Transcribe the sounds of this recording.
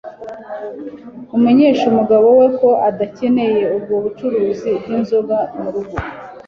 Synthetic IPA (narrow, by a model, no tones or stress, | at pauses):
umeɲe̞ːʃumuɡaβo̞we̞ko̞ʔadace̞ne̞je̞ub̚ɡoβut͡ʃuɾuːzibɡinzoɡamuɾuɡu